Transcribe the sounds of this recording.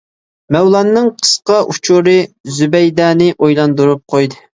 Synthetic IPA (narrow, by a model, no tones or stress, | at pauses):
mɛwlˠɑnːɨŋqʰə̥sqɑʔut͡ʃʰuɾɨzybɛjd̪ɑːnɨʔojlˠɑnd̪uɾup̚qʰojd̪ɨ